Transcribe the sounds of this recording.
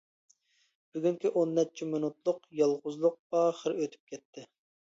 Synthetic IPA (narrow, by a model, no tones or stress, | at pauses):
b̥yɡʲyŋkʲiʔonːɛt̚t͡ʃʰimɪnut̪lˠʊqjɑlˠʁʊzlˠʊq̚bɑχəɾøt̪ʰy̥p̚kʲɛt̪ʰːɪ